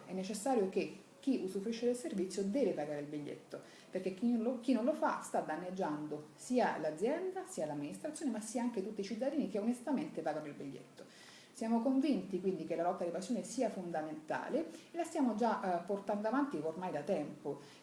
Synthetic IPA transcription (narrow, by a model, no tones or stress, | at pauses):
ɛnːet͡ʃesːaːɾjoke | k̟ːiʔusufɾiʃːed̪elservit̪sːjod̪ɛːvepaɡaːɾeilbiʎːḛt̪ːo | perkekik̟inõnlofa̰st̪ad̪anːed͡ʒːand̪osiːalad̪zjɛnd̪asiːalamːinist̪ɾat̪sjoːnemasːiːaaŋk̟et̪ut̪ːit͡ʃit̪̬ːad̪iːnikeonest̪ament̪epaːɡanoilbiʎːḛt̪ːo | sjaːmokoɱvint̪ikwind̪ikelalɔt̪ːad̪ipasjonesiːafond̪ament̪a̰ːleelast̪jaːmod͡ʒapːort̪and̪oavant̪iormajd̪at̪ɛmpo